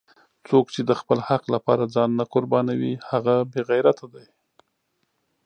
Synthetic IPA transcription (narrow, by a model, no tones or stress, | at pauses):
t͡sokt͡ʃed̪əxpəlhaqlapɑ̰ɾad͡zɑnnakʊɾbɑnawihaɣabeɣajɾat̪ʰad̪aj